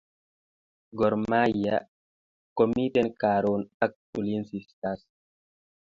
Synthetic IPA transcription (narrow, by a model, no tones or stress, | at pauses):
ɡoɾmaja | komit̪enkaɾonak̚ulinsist̪as